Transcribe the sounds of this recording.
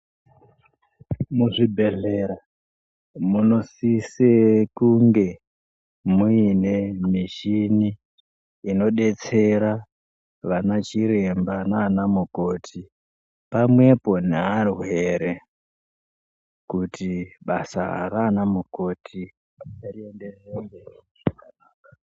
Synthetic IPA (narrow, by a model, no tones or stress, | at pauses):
muʐibʱe̞ɮeɾa | muno̞sisekuŋɡe̞ | muine̞miʃiniː | no̞ɗe̞t͡se̞ɾa | ʋanat͡ʃiɾe̞mbanaːnamuko̞ːtʰi | pamwe̞po̞nearwe̞ɾe | kutʰiɓasaa̰ɾanamuko̞tʰi | ariendereŋɡe | anaka